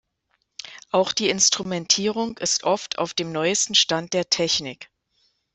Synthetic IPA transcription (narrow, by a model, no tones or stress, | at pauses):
ʔaʊxd̥iːɪnstʁ̥umɛntʰiːʁ̞ʊŋɪstʔɔftʰa̰ʊfd̥eːmnɔʏəstn̩ʃtant̚d̥eːɐtʰɛçnɪk